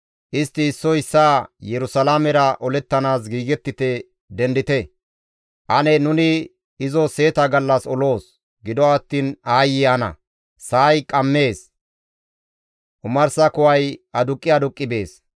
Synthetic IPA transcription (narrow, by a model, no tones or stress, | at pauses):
ʔɪst̪ːɪːsːɔɪsːaːjɛɾʊsɐlamɛɾɐʔɔlɛt̪ːɐnaːsɡiːɡɛt̪ːɪt̪ɛ | d̪ɛnd̪ɪt̪ɛ | ʔɐnɛnʊnɪ | ɪzɔse̞ːt̪ɐɡɐlːɐsɔlo̞ːs | ɡɪd̪ɔɐt̪ːiːnaːjɪanɐ̰ | saːjkʼɐmːe̞ːs | ʔʊmɐɾsɐkʊwɐjɐd̪ʊkʼːɪɐd̪ʊkʼːɪbe̞ːs